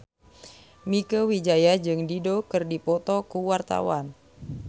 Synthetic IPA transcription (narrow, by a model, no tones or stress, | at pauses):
mikəwid͡ʒajad͡ʒɨŋdidokɨrdipɔt̪ɔkuwart̪a̰wan